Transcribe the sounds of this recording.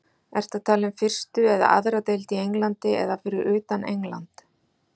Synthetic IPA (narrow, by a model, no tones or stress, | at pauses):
ɛr̥t̪at̪ʰaːlɪnfɪr̥st̪ʏɛða̰ʔa̰ðɾat̪ejlt̪iejŋlant̪ɪɛ̰ðafɪɾɪɾʔʏːt̪anejŋla̰nt̪